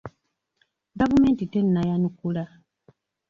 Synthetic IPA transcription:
ɡavumeːntitenːajanukula

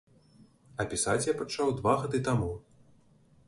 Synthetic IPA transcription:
ɐpʲisat͡sʲjapat͡ʂawd̪vaɣad̪ɨt̪amu

